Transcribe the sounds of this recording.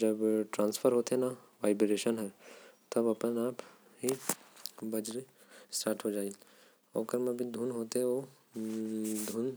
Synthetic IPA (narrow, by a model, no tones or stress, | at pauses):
d͡ʒəbʈɾãːnspʰəɾɦoːt̪ena | ʋaːɪbɾeːʃənɦɛt̪ɐbɐpənaːp | ɦi | bɐd͡ʒɾe | sʈaːʈʰɦod͡ʒaːi | o̰ːkəɾmẽbʱid̪ʱunɦoːt̪eɦɛo | d̪ʱʊn